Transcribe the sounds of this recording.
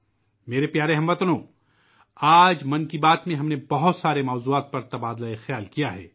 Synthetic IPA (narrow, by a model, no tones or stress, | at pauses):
meːɾepjaːɾeɦɐmʋɐt̪nõː | aːd͡ʒmɐ̃nkibaːt̪mẽɦɐmnebɐɦʊt̪saːɾemɔːzuaːt̪̚pɐɾt̪ɐbaːd̪laexjaːlkijaɦɛ̰ː